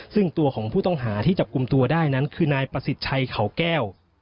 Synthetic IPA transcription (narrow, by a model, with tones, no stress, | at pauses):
sɯ˥˩ŋt̪u˧ɐkʰɔː˩˦ŋpʰuː˥˩t̪ɔ˥˩ŋɦaː˩˦t̪ʰiː˥˩t͡ɕa˨˩p̚ku˧mt̪u˧ɐdaː˥˩jna˦˥nkʰɯː˧naː˧jpɾa˧si˨˩t̪̚t͡ɕʰa˧jkʰa˩˦wkɛː˥˩w